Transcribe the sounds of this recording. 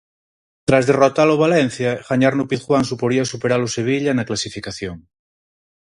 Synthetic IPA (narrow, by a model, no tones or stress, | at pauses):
t̪ɾazðerot̪aloβ̞alɛnθjaɣaɲaɾnopiðxwaŋsupoɾiasupeɾaloseβ̞iʎanaklasifikaθjoŋ